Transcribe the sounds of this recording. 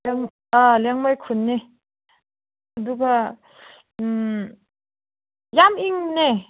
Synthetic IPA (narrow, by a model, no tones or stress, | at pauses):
aŋ | alaŋmajkʰunːe | aduɡa | jamiŋne